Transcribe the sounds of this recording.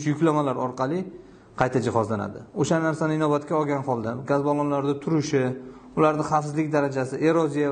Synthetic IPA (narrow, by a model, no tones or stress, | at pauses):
ʃjʊkʲlamalaɾɒɾqʰɑlˠɪ | qʰɑjt̪ʰad͡ʒɪhɒzlana̰d̪ɪoʃanaɾsanɪɪnɒbat̪kʲaɒɡʲanχɒlˠd̪aɡʲazbɒlˠɒnlaɾd̪at̪ʰʊɾɪʃɪ | ʊlaɾd̪ɪχɑfsɪzlɪkʲd̪aɾad͡ʒasɪʔeɾɒzija